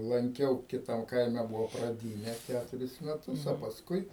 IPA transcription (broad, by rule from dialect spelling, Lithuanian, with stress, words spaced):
lˠɐŋʲˈkʲɛʊ ˈkʲɪtɐm ˈkɐɪmʲɛ ˈbʊʋoː prɐˈdʲiːnʲɛ ˈkʲætʊrʲɪs mʲɛˈtʊs oː pɐsˈkʊɪ